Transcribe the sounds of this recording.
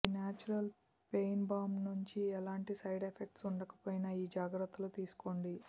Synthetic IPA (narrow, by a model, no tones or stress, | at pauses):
inaːt͡ʃuɾɐl | pejnbaːmnuɲt͡ʃiɛlaːɳʈisɐjɖepʰek̚ʈsuɳɖɐkɐ̥pojnɐiːd͡ʒaːɡɾɐt̪ːulut̪iːsu̥koɳɖi